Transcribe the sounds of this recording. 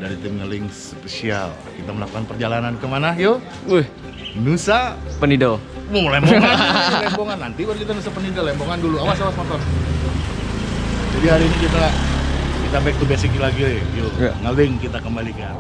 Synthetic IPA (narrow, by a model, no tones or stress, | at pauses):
daɾit̪ɪmŋəlɪŋs | pesia̰l | kit̪aməlakukanpərd͡ʒalanankəmanajo | h | nusapənidoolɛmboŋalɛmboŋanːant̪ibaɾukit̪anusapənidolɛmboŋanduluamasawasmat̪ɔn | d͡ʒadiɦaɾiːnikit̪a | kit̪abɛk̚t̪ubesikilaɡiejoŋəwɪŋkit̪akəmbalikan